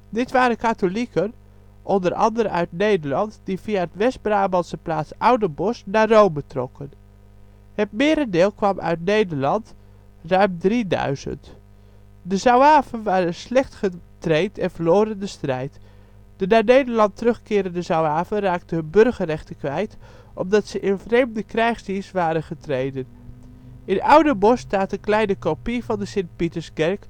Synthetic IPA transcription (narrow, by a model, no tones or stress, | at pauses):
dɪtʋaːɾəkatolikən | ʔɔndərʔɑ̰ndəɾəœ̰ɥtnejdərlɑntd̥ifiaətʋɛstbraːmbɑnsəplaːsawdəbɔsnaːrowmətrɔkʰən | hətmɪːɾəndɪːlˠkʋɑmʔœ̰ɥtnejdəɹlɑnt | rœɥmdridœ̰ɥzə̰nt | dəzawaːvənʋaːɾənslɛχtχətrejtɛnvəɹloːɾəndəstrɛjt | d̥ənaːnejdəɹlɑntərɵχkɪːɾəndəzawaːvənraːk̚təɦɵnbɵrɣərɛχtəkʋɛjt | ʔɔm̚dɑtsəʔɪnvrejmdəkrɛjχsdisʋaːɾənχətrejdən | ɪnawdəbɔstaːtənklɛjnəkopivɑndəsɪnt̚pitəsɡɛɹk